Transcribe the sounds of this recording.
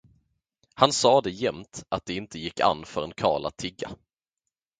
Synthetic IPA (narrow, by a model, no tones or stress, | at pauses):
hansɑːd̪ɛjɛmt̪ʔat̪̚d̪ɛɪnt̪əjɪkːa̰nːfœɾɛnkʰɑ̰ːɭa̰t̪ʰɪɡːa̰